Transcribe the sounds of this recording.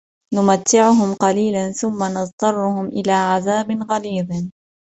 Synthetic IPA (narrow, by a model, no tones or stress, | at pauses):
nʊmat̪ːɪʕʊɦʊmqɑliːlanθʊmːanɑðˤt̪ˤɑrˤːʊhʊmʔɪlaːʕaðaːbɪnɣaliːd̪